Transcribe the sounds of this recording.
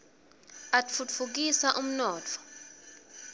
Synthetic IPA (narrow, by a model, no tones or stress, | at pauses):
atfut͡ffuk̬isaʔum̩nɔːt͡fʰɔ̥